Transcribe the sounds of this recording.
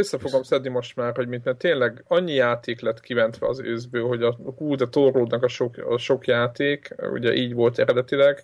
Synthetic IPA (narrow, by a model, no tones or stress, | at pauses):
øsːɛfo̞ɡo̞msɛd̪nimo̞ʃt̪maːrho̞ɟmit̪mɛnt̪eːnlɛɡɒɲːijaːt̪eːklɛt̪kivɛnt̪ʋɛ̰ɒ̰zø̰ːzbøːlɦo̞ɟɒhuːd̪ɛt̪oroːd̪nɒkɒʃo̞kɒ̰ʃo̞kjaːt̪eːkṵɟɛ̰ʔiːɟʋo̞lt̪ɛɾɛd̪ɛt̪ilɛɡ